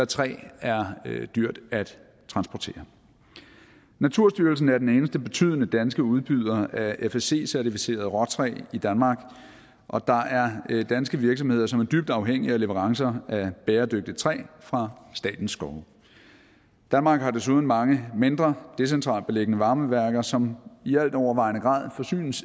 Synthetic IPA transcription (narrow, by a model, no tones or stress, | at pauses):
æt͡sʰʁɛ̰ːæɐd̥yɐ̰d̥æd̥ | t͡sʰʁɑ̈nsb̥ɒt͡sʰe̝̰ːɐ | næt͡sʰuɐ̰sd̥yɐl̩sn̩æɐd̥ene̝ːnəsd̥əb̥e̝t͡sʰy̰ð̞̰ˠənəd̥ænsɡ̥əuð̞ˠb̥yð̞ˠɐæefese̝̰ːsæɐt͡sʰifise̝̰ːɐð̞̩ˠʁɒ̽t͡sʰʁɛ̰ːid̥ænmɑ̈ːɡ̥ | ʔɒ̽d̥ɑ̈ʔæɐd̥ænsɡ̥əʋiɐɡ̥sɒmhe̝ð̰ˠɐsɒ̽mæɐd̥yb̥̚d̥ɑ̈ʊɦeŋ̰iæle̝ʋəʁɑ̈ŋsɐæb̥eːɐd̥øɡ̥̚d̥it͡sʰʁɛ̰ːfʁɑ̈sd̥ɛ̰ːd̥n̩sːɡ̥ɒʊ | d̥ænmɑ̈ːɡ̥hɑ̈d̥es̬uð̞ˠn̩mɑ̈ŋəme̝nd̥ʁɐd̥e̝sent͡sʰʁɑ̰̈ːlb̥e̝leɡ̥ənəʋɑ̈ːməʋæɐɡ̥ɐsɒ̽miæl̰d̥ɒʊɐʋɑ̈ɪnəɡ̥ʁɑ̰̈ːð̞̰ˠfɒ̽sy̰ːns